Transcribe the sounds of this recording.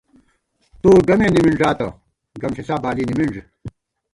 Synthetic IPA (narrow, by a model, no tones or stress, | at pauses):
t̪oːɡɐmeːnimiɳʐaːt̪ɐ | ɡɐmsisaːbaːliːnimiɳʐ